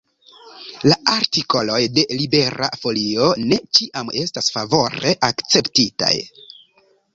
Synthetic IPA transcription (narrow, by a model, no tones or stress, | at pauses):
laʔaɾtiko̞lo̞jde̞libe̞ɾa̰fo̞lio̞ne̞t͡ʃiʔame̞stasfavo̞ɾe̞̰ʔakt͡se̞ptita̰j